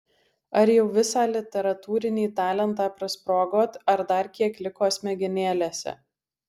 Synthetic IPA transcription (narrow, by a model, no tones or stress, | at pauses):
ɐɾjɛʊʋʲɪsɑːlʲɪt̪ʲɛɾɐt̪uːɾʲɪnʲiːt̪ɑːlʲɛnt̪ɑːpɾɐspɾoːɡoːt̪ɐɾd̪ɐɾkʲiɛklʲɪkoːsmʲɛɡʲɪnʲeːlʲeːsʲɛ̰